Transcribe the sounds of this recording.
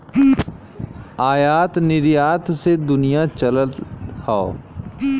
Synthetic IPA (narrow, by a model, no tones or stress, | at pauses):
aːjaːt̪nɪɾjaːt̪sed̪ʊnijat͡ʃələt̪haːo